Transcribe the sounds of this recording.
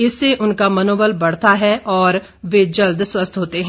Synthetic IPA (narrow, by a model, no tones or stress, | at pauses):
ɪsːeʔʊnkamɐnoːbəlbɐɽ̤t̪aɦɛʔɔːɾ | ʋeːd͡ʒəld̪swəst̪ʰɦoːt̪eɦɛ̃